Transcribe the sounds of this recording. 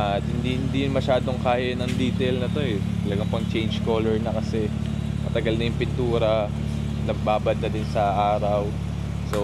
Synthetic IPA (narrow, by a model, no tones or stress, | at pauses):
ʔat̪hɪnd̪ihɪnd̪ijʊnmɐʃaːd̪o̞ŋkaːjɐnɐŋd̪iːt̪ɛlnɐt̪o̞ɛt̪ɐlɐɡɐŋpɐŋt͡ʃɛjnd͡ʒko̞ːlɛɹnɐkɐsɛ | mɐt̪ɐɡɐlnɐjʊŋpɪnt̪uːɾɐ | nɐɡ̚baːbɐd̪̚nɐd̪ɪnsɐʔaːɾɐw | so̞